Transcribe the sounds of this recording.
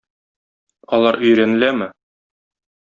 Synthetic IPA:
ɒlˠɑɾɵ̆jɾænɘ̆læmɘ

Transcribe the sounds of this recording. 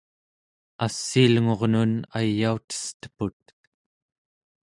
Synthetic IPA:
asːiːlŋo̞ʁnunajːaut̪ə̥st̪ə̥put̪̚

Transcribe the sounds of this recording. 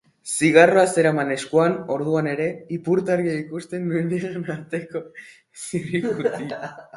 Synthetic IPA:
siɣ̞aro̞ase̞ɾamane̞skoano̞ɾðuane̞ɾe̞ipuɾt̪aɾiaikust̪e̞nːuend̪iɣanaɾt̪e̞ko̞ | siɾiɣuti

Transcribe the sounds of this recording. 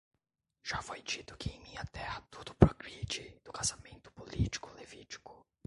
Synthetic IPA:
ʒ̥afojd͡ʒit̪ʊ̥kɪẽj̃mĩɲɐt̪ɛhɐt̪od̪ʊpɾoɡɾid͡ʒid̪̥ʊkazamẽnt̪ʊ̥polit͡ʃi̥kʊlevit͡ʃi̥kʊ̥

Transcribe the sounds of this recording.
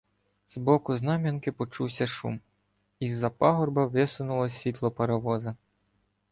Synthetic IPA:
zbɔkʊznɑmʲɐnkɪpɔt͡ʃuwsʲɐʃṵm | izːɐpɑɦɔrbɐʋɪsʊnʊlˠɔsʲʋʲit̪lˠɔpɐɾɐʋɔzɐ

